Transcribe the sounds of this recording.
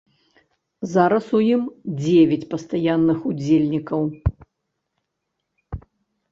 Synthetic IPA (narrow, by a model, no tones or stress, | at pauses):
zaɾɐsujimd͡zʲevʲat͡sʲpɐst̪ajanːɨxud͡zʲelʲnʲikɐw